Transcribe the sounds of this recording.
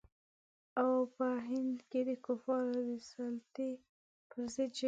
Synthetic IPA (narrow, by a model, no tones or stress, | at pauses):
awpəɦɪnd̪ked̪əkofɑɾad̪əsɑlt̪i | pəɾzed̪̚d͡ʒ